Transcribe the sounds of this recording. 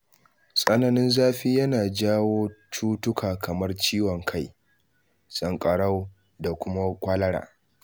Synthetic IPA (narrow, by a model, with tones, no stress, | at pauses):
sʼɐ˦nɐ˨nɪ˦nzaː˦ɸiː˦jɐ˦naː˨d͡ʒaː˦woː˦t͡ʃuː˦tʊ˦kʰaː˨kʰɐ˨mɐ˦rt͡ʃiː˦wɔ˨ŋkʰa˦˨j | sʼɐ˨ŋkʼɐ˨ɽa˦w | da˨kʷʊ˦ma˦kʷaː˦lɐ˦ɽa̰ː˨